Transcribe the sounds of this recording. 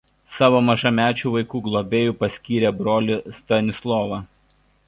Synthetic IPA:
sɑːʋoːmɐʒɐmʲæːt͡ʃʲuːʋɐɪkuːɡlˠɔbʲeːjuːpɐsʲkʲiːɾʲeːbɾoːlʲɪst̪ɐnʲɪslˠɔːʋɑ

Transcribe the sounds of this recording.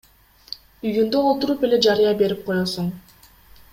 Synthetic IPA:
yjynd̪yolˠt̪uɾupe̞le̞d͡ʒɑɾɯjɑbe̞ɾip̚qʰo̞josuɴ

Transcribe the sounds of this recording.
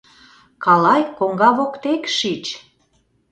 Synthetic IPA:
kɑlɑjkoŋɡɑβokt̪ekʃit͡ɕ

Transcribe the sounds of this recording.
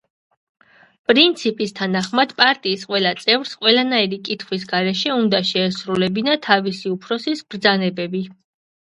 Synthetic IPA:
pʼɾint̪sʰipʼist̪ʰanaχmad̪̥pʼaɾt̪ʼiːsqʼwɛlat̪sʼɛvɾsqʼwɛlanaiɾikʼit̪ʰχwis̬ɡaɾɛʃɛund̪aʃɛːsɾulɛbinat̪ʰavisiupʰɾɔsisbɾd̪zanɛbɛbi

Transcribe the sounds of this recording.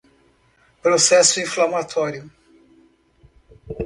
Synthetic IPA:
pɾosɛsʊĩflamat̪ʰɔɾjʊ

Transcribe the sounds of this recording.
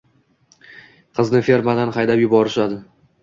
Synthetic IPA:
qʰɨznɪfe̞ɾmad̪anχɑjd̪apjʊbɒɾɪʃad̪ɪ

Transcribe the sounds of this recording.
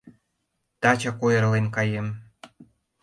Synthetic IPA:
t̪ɑt͡ɕɑkojəɾlenkɑjem

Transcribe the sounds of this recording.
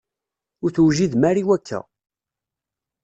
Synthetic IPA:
ʊɾθwʒiðmæɾiwækʰːæ̰

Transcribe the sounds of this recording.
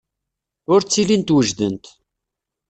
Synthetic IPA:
ʊɾt͡sːilint̪wəʒðənt̪

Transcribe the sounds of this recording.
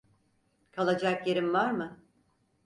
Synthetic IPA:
kʰalˠad͡ʒakjeɾimvaɾmɯ

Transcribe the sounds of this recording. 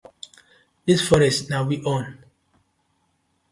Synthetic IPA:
disfɔɹɛstnawiʔɔ̃n

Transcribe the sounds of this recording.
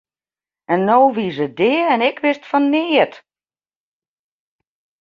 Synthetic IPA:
ɛnːoːʋisədɪɛnɪkʋɪstfɔnːɪːət

